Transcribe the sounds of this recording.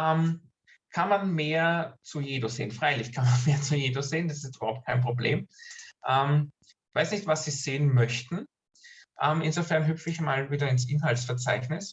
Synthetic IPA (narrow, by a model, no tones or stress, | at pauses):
ʔɛm | kʰanmanmeːɐt͡sujeːdosḛːənfʁaɪlɪçkʰanmanmeːɐt͡sujeːdoseːnd̥asɪstyːbɐhaʊp̚t̚kʰaɪnpʁ̥oblḛːmʔɛm | vaɪsnɪçtvasːiːz̥eːənmœçtn̩ | ʔɛmɪnzofɛɐnɦyfɪçmaːlviːdɐɪnsʔɪnɦaltsfɛɐt͡sa̰ɪçnɪs